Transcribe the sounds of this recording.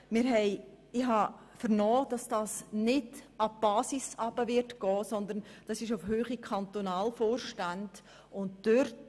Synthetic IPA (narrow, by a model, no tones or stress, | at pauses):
mɪɾɦɛɪ | ɪhɦɑ | fəɾnɔːd̥ɑsd̥ɑːsnɪdɑb̥ɑːsisɑb̥əvɪɾtɡ̥ɔːsɔnd̪əɾnd̥ɑsɪʃofhøːχikʰɑnt̪onɑːlfoːrʃtænd̥ | ʊntd̥øɾt